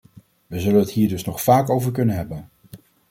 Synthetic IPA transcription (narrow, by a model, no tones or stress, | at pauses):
ʋəzɵlənɦətɦiːɹdɵsnɔχfaːkowvəɹkɵnənɦɛbən